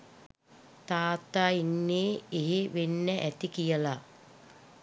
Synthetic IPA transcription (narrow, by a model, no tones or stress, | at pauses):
t̪aːt̪aːinːeːeɦeʋenːəʔæt̪ikijəla